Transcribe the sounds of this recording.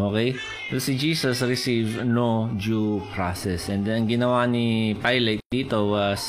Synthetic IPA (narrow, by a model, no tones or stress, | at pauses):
okej | sosid͡ʒiːsɐsɹɪsivnod͡ʒupɹasɛsɛ̃nd̪ɛnɐŋɡɪnɐwanipajlɛt̪̚d̪iːt̪owas